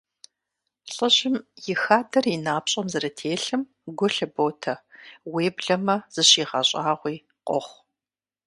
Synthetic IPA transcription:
ɬʼəʑɪmjɪxaːdɐrinaːpɕʼɐmzɐɾɐtʰeːɬɨm | ɡʷʊɬɐboːtʰɐweːbɮɐmɐz̥ɨɕiːʁɐɕʼaːʁʷiː | qʷʼɔ̰χʷ

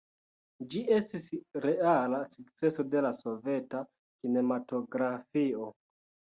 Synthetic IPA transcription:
d͡ʒie̞stisɾealasuk̚t͡se̞so̞de̞laso̞ve̞ta | kine̞mato̞ɡɾafio̞

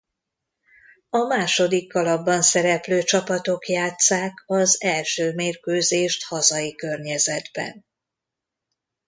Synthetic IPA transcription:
ɒmaːʃo̞d̪ikːɒlɒbːɒnsɛɾɛpløːt͡ʃɒpɒt̪o̞kjaːt̪saːkɒzɛlʃøːmeːrkøːzeːʃt̪hɒzɒjikø̞rɲɛzɛd̪bɛ̰n

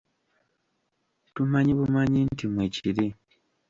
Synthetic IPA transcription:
tumaɲiβumaɲintʰimweciɾi

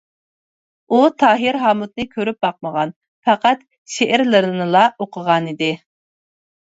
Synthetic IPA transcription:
ut̪ʰɑːɦɪɾɦɑːmut̪̚nɨkʲʰøɾyp̚bɑq̚məʁɑn | fæqæt̪ | ʃeʔɪɾlɪɾɨnɨlˠɑoqʰəʁɑnid̪ɪ

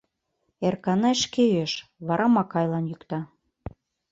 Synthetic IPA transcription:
erkɑnɑeʃkejøʃβɑɾʔɑmɑkɑjlɑnjykt̪ɑ

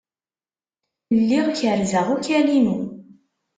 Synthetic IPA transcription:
lːiʁçəɾzəʁukælimu

